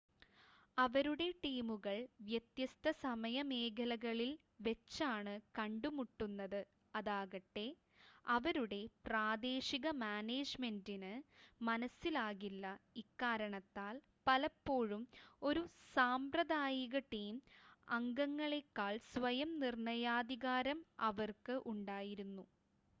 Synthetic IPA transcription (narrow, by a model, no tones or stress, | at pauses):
ɐʋɐɾuɽe̞ʈiːmuɣɐɭʋjɐt̪jɐst̪ʰɐsɐmɐjɐme̞ːkʰɐlɐɣɐɭil | ʋe̞t͡ɕːaːɳɨkɐɳɖumuʈːunːɐðɨ | ɐðaːɣɐʈːe̞ | ɐʋɐɾuɽe̞praːd̪e̞ːɕiɣɐmaːneːd͡ʑme̞ndinɨmɐnɐsːilaːɣilːɐikːaːɾɐɳɐt̪ːaːl | pɐlɐpːo̞ːɻumo̞ɾusaːmprɐðaːjiɣɐʈːejumɐŋɡɐŋːɐɭe̞kːaːɭsʋɐjɐmnirɳɐjaːd̪iɣaːɾɐmɐʋɐrkɨʔuɳɖaːjiɾunːu